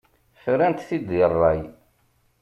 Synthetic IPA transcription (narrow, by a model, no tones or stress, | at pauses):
fɾænt̪θid̪ərˤːɑj